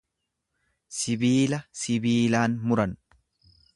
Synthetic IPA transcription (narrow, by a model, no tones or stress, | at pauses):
sɪbiːlɐsɪbiːlaːnmʊɾɐn